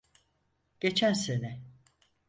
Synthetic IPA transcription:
ɟ̥et͡ʃʰænsenɛ

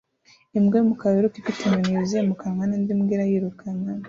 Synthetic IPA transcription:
imɡemukaβeɾukikitʰemuniizemukaŋanindimɡiɾajiɾukʰanan

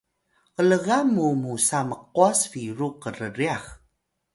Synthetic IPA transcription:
ələɣamumusaməq̚uasfiɾuqərəriax

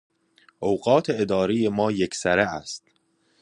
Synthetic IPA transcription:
ʔowɢɒːt̪ʰeed̪ɒːɾejemɒːjekʰsæɾeæst̪

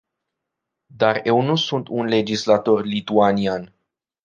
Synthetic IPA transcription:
d̪arje̞wnusunt̪unle̞d͡ʒislat̪o̞rlit̪uanian

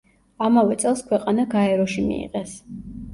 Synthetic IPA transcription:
amavɛt̪sʼɛlˠskʰwɛqʼanaɡaɛɾɔʃimḭḭqʼɛs

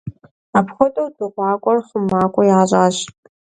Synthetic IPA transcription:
apχʷɔtʼowdɨqʷɑːkʷʼɔrχəmːaːkʷʼɔjaːʑʼaːɕ

